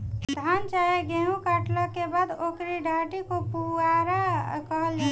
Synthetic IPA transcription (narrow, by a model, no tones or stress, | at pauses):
d̪ʱant͡ʃaeɡeɦũkaʈləkebaːd̪okɾiɖʱaʈikopuaɾakəɦəld͡ʒa